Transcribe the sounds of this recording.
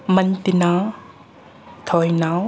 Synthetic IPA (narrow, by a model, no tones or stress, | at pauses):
mɐnt̪ina | t̪ʰɔjnaw